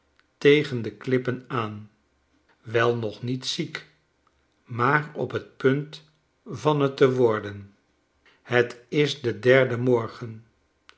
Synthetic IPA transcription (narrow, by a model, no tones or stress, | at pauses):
tejχəndəklɪpənaːn | ʋɛlˠnɔχnitsik | maːɹɔpɦət̚pɵnt | vɑnətəʋɔɹdən | hətɪsdədɛɹdəmɔɹχən